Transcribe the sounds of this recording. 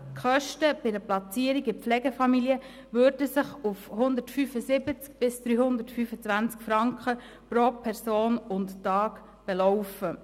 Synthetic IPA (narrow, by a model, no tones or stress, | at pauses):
χœʃtəb̥ɪdəplɑt͡siːəɾiɡɪp͡flɛɡɛfɑmiliə | ʋøːɾdəsɪχufhʊnd̪ətfyfəsɪbət͡sk̚b̥ɪsd̥̪ɾyːhʊnd̪ətfyfət͡sʋænt͡skfɾɑŋkχə | pɾoːpʰɛɾsoːnʊnttɑːk | b̥ɛlɔwfə